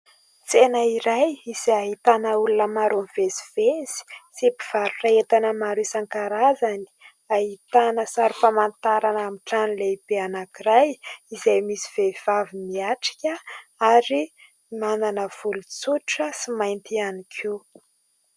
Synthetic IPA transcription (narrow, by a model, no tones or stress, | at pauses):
t͡senəiɾajiz̥aaɦit̪anəulunəmaɾonivezi̥v̥ez̥i̥sepiv̥aɾuraet̪anəmaɾuisaŋkaɾazani̥ | aɦit̪anəsaɾifamant̪aɾanamiʈ͡ʂanileibeanakiɾajizajmisiv̥ev̥avimiaʈ͡ʂi̥kʲəaɾi | mananəv̥ulut͡suʈ͡ʂəsimajnt̪ianikʰe